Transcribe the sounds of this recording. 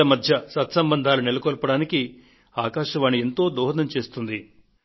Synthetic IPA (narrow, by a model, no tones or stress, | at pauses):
ɐmɐd̪ʱjɐsɐt̪sɐmbɐnd̪ʱaːlunilɐkɔːlpɐɽaːniki | aːkaːʃɐʋaːnːient̪o̞ːd̪ɔːɦɐd̪ɐmt͡ʃe̞ːst̪und̪i